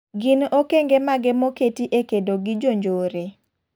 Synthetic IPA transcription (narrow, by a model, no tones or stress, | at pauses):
ɡɪnokeŋɡemaɡɛmoketiʔekedoɡɪd͡ʒoɲd͡ʒoːɾe